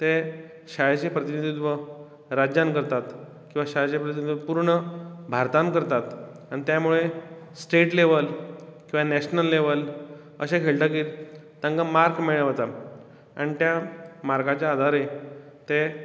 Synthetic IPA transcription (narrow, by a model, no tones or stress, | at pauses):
t̪e | ɕajat͡ɕepɾət̪inid̪ʱit̪ʋə | ɾad͡ʑjãnkəɾt̪at̪ | kĩw̃ʋaɕajat͡ɕepɾət̪inid̪ʋəpuɾɳəbʱaɾt̪ankəɾt̪at̪anit̪jamuɭesʈeʈleʋəlkĩw̃ʋanɛɕnəlːeʋəl | ə̰ɕekʰeɭʈ̪ak̬iːt̪ãŋkamaɾkmeɭəʋat̪a | a̰ñit̪jamaɾɡat͡ɕjaːd̪ʱaɾe | t̪e